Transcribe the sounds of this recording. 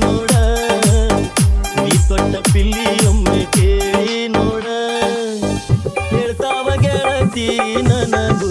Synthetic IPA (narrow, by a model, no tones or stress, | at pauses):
noːɽɐ | niːt̪ɔʈːɐpilːijɐmːekeinoːɽɐ | eɾt̪aːʋɐɡeɾɐt̪inɐnɐd̪u